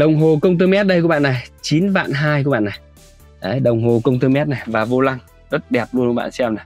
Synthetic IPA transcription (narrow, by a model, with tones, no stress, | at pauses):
ɗə˨˩wŋ͡mɦo˨˩kə˧wŋ͡mt̪ɨ˧mɛ˦˥t̚ɗə˧jkɓaː˧˨na˨˩jt͡ɕi˨˦nva̰ː˧˨nɦaː˧jku˧˦ɓa̰ː˧˨na˨˩j | ʔə˨˦jɗə˨˩wŋ͡mɦo˨˩kə˧wŋ͡mt̪ɨ˧mɛ˦˥t̚na˨˩jvaː˨˩vo˧la˧ŋ | zə˦˥t̚ɗɛ˨˩p̚lu˧ənku˧˦ɓa̰ː˧˨sɛ˧mna˨˩j